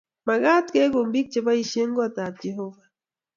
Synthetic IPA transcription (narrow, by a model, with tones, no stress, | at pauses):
ma˨ɣa˦t̪ke˦ɡo˨mbi˦k̚t͡ʃe˨ba˦i˦ʃje˦ŋɡo˦a˨t̪aː˨t̪̚d͡ʒe˨ɦo˦va˨